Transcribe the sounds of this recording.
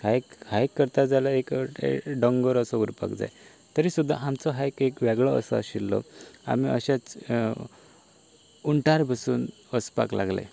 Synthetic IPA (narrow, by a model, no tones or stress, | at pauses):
kajkhajkːəɾt̪ad͡zalaekɖɔŋɡɔɾəsɔuɾpa̰kd͡za̰j | t̪əɾisud̪ʱːa̰ʔamt͡sɔɦajkekʋɛɡɭɔə̰sɔa̰ɕilːɔ̰a̰m̤iʔəɕat͡s | uɳʈaɾbʱasuːn | əspa̰kla̰ɡlḛ